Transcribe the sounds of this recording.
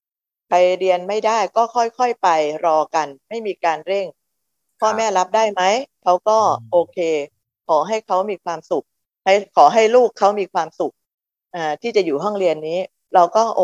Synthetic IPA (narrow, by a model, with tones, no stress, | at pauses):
pʰa˧jɾi˧ənma˥˩jdaː˥˩jkɔː˥˩kʰɔ˥˩jkʰɔ˥˩jpa˧jɾɔː˧ka˧nma˥˩jmiː˧kaː˧nɾe˥˩ŋ | pʰɔː˥˩mɛː˥˩la˦˥p̚daː˥˩jma˦˥jkʰa˦˥wkɔː˥˩ʔoː˧kʰeː˧ | kʰɔː˩˦ɦa˥˩jkʰa˦˥wmiː˧kʰwaː˧msu˨˩k̚ | ha˥˩jkʰɔː˩˦ɦa˥˩jluː˥˩kʰːa˦˥wmiː˧kʰwaː˧msu˨˩k̚ | ʔaː˨˩t̪ʰiː˥˩t͡ɕa˨˩juː˨˩ɦɔ˥˩ŋɾi˧ənːiː˦˥ | ɾa˧wkɔː˥˩ʔ